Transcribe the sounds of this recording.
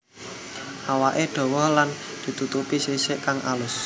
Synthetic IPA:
ʔawaʔeɖ̪̥ɔ̤wɔhland̪̥i̤t̪ut̪upisisɪʔkaŋʔa̰lʊs

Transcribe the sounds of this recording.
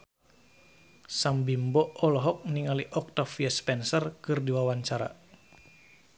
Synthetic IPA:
sambimbɔɔlɔɦɔk̚niŋaliʔɔk̚t̪afiaspɛnsərkɨrdiwawaɲt͡ʃaɾa̰

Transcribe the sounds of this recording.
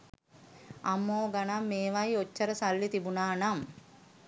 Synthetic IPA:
amːoːɡanamːeːʋajot͡ʃːəɾəsalːit̪ibunaːnam

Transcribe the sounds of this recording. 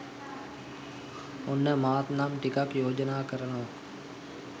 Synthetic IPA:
ʊnəmaːt̪naːmʈɪkakjoːd͡ʒnakəɾənõː

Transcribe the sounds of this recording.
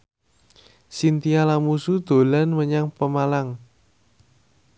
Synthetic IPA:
sint̪ialamusud̪̥o̤lanməɲaŋpəmalaŋ

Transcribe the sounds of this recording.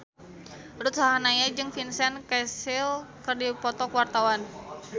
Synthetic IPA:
rut̪̚saɦanajad͡ʒɨŋfinsɛnkɛsilkɨrdipɔt̪ɔkwart̪awan

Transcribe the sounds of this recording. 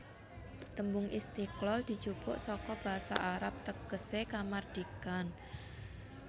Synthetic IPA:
t̪əmbʊŋʔist̪iklɔld̪̥i̤̥t͡ʃupʊʔsɔkɔb̥a̤ɦasa̰ʔaɾap̚t̪əɡ̥əsekamard̪̥ikan

